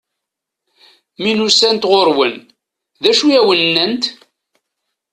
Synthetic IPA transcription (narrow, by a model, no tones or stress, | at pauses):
minusænt̪ʁoɾwən | ðæʃujæwənːənt̪